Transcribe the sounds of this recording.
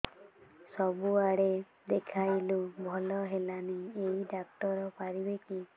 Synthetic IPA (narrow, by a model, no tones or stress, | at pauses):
sɔbuaɽe | d̪ekʰajlubʱɔlɔɦelaniejɖaktɔɾɔpaɾibeki